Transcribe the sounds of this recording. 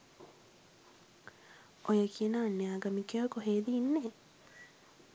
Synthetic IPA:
ojəkʰiənaːnːeaːɡəmikeokoɦeːd̪iːnːe

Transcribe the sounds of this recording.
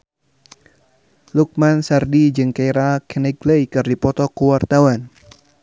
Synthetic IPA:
luk̚mansardid͡ʒɨŋkajɾakɛnɛɡlejkɨrdipɔt̪ɔkuwart̪awan

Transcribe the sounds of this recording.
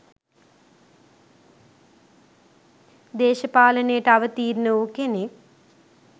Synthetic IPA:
d̪eːʃɐpaːlɐneːʈɐʋɐt̪iːɾnɐoːkene

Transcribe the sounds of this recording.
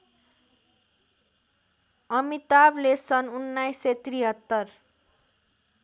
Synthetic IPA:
ʌmit̪ablesʌnunːajset̪ɾiɦʌt̪ːʌr

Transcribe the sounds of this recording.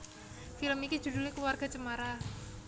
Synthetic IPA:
filəmikid͡ʒ̥ṳdulekluwarɡa̤t͡ʃəmaɾa

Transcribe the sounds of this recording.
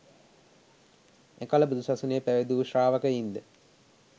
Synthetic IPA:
ekaləbud̪usasunejpæʋed̪uʋuʃraːʋəkəind̪ə

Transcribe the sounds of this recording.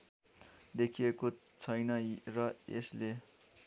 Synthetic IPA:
d̪ekʰijeko | t͡sʰʌjnʌrʌḛsle

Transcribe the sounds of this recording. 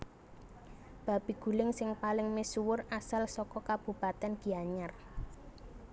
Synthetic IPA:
b̥a̤b̥i̤ɡ̥ṳlɪŋsɪŋpalɪŋmesuwʊrasalsɔkɔkab̥ṳbat̪ɛnɡ̥i̤aɲar

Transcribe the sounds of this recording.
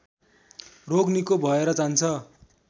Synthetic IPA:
roɡnikobʱʌeɾʌt͡sant͡sʰʌ

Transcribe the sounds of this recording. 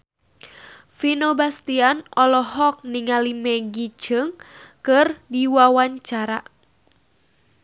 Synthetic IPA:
finobast̪ianʔɔlɔɦɔk̚niŋalimɛɡit͡ʃəŋkɨrdiwawaɲt͡ʃaɾa̰

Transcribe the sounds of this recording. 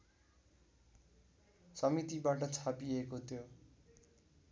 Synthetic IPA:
sʌmit̪ibaʈʌt͡sʰapiekot̪ʰjo

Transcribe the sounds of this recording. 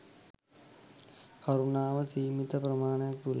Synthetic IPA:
kɐɾunaːʋɐsiːmit̪ɐpɾɐmaːnɐjɐk̚t̪ul

